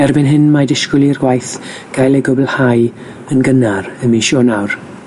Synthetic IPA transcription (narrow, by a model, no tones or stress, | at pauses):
ɛrbɪnɦɪnmadɪʃkʊlˠirɡwajθ | ɡ̥ajlˠɛɡʊbəlˠhaj | ənɡənaɾəmeʃɔnawr